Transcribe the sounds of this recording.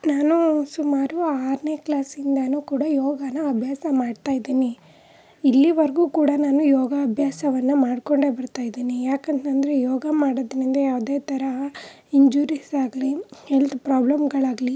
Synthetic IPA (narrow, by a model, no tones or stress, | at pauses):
naːnusumaːɾuaːɾne̞ːklaːsind̪ɐnuːkuːɽɐjɔːɡɐnɐɐbʱjaːsɐmaːɖt̪aːjid̪iːni | ilːiʋɐɾɐɡuːkuːɽɐnaːnujɔːɡɐːbʱjaːsɐʋɐnːumaːɽko̞ɳɖe̞bɐɾt̪aːjid̪iːnijaːkɐnt̪ɐnd̪ɐɾejɔːɡɐmaːɽɐd̪ɐnind̪ɐjaːʋd̪e̞ːt̪ɐɾɐ | iɲd͡ʒuːɾisaːɡɐlihelt̪upɾaːblɐmɡɐɭaːɡli